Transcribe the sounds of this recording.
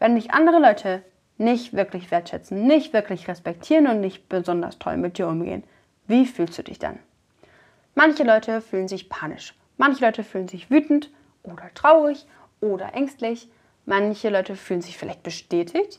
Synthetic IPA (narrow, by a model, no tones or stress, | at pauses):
vɛndɪçʔa̰ndəʁəlɔʏtʰə | nɪçtv̥ɪɐklɪçv̥eːɐtʃɛt͡sn̩nɪçtv̥ɪɐklɪçʁɛspɛk̚tʰiːʁənʊntnɪçt̚b̥əzɔndɐ̰stʰɔ̰lmɪt̚d̥iːɐʔʊmɡḛːən | viːfyːlstd̥uːdɪ̰çd̥a̰n | mançəlɔʏtʰəfyːlənzɪçpʰaːnɪ̰ʃ | mançəlɔʏtəfyːlənzɪçv̥yːtn̩t | ʔoːdɐtʁ̥aʊʁɪç | ʔoːdɐ̰ʔɛŋstlɪç | mançəlɔʏtəfyːlən̩zɪçfɪla̰ɪçt̚b̥əʃtɛːtʰɪçt